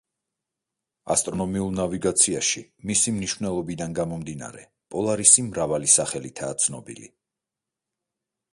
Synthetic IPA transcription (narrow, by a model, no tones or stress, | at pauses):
a̰st̪ʼɾɔnɔmiulˠnaviɡat̪sʰiaʃimisimniʃvnɛlˠɔbid̪anɡamɔmd̪ina̰ɾɛ | pʼɔlˠaɾisimɾavalisaχɛlit̪ʰaːt̪sʰnɔbḭlḭ